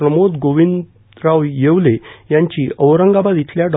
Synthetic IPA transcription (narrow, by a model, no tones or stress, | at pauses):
ɾəmod̪ɡoʋind̪ | ɾaʋjeʋlejaɲt͡ɕiːəʋɾəŋɡabad̪it̪ʰljaɖ